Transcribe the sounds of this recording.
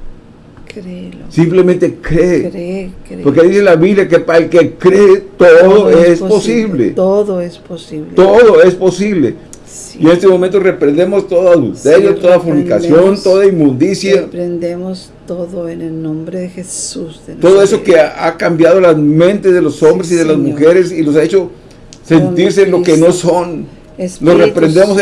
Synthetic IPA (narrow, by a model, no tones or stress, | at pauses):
kɾesimple̞mẽnt̪e̞kɾeɾɾpoɾke̞ðise̞laβiβljake̞paaelkekɾeːt̪oðoesposiβlḛt̪oðoesposiβlt̪oðo̞e̞spo̞siβle̞ | ienest̪emoment̪o̞re̞pɾend̪emo̞st̪o̞ðaaðult̪eɾjot̪o̞ðafuɾnikasjo̞nt̪o̞ðaimːũnd̪isjapɾend̪emos | t̪oðoenelnõmbɾeðexesuzt̪o̞ðoe̞so̞keaakambjaðolamẽnt̪e̞zðeloso̞mbɾes̬iðelazmuxe̞ɾesilo̞s̬aet͡ʃo̞ | se̞nt̪iɾs̬enlo̞kenoson | slosrepɾend̪emos